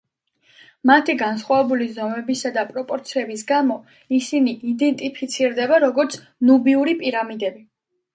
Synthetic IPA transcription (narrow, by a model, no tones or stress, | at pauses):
mat̪ʰiɡansχwavɛbulizɔmɛbisad̪apʼɾɔpʼɔɾt̪sʰiɛbis̬ɡamɔ | isiniʔid̪ɛnt̪ʼipʰit̪sʰiɾd̪ɛbaɾɔɡɔɾt̪sʰ | nubiuɾipʼiɾamid̪ɛbi